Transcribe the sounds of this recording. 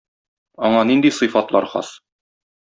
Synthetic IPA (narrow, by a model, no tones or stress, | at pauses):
ɒɴɑnind̪isɨ̆fɑt̪lˠɑ̰ɾχɑ̰s